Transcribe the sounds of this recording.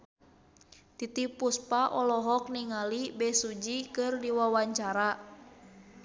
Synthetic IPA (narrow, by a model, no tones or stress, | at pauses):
t̪it̪ipuspaʔɔlɔɦɔk̚niŋalibɛsud͡ʒikɨrdiwawaɲt͡ʃaɾa